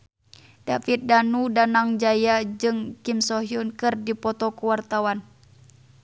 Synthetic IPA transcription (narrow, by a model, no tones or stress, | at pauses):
d̥afit̪̚danudanaŋd͡ʒajad͡ʒɨŋkimsɔɦjunkɨrdipɔt̪ɔkuwart̪awan